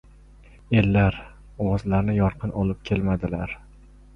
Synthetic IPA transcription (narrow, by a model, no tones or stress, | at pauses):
e̞lːaɾ | ɒwɒzlaɾnɪjɒɾqʰɨnɒlˠɪp̚kʲʰe̞lmad̪ɪlaɾ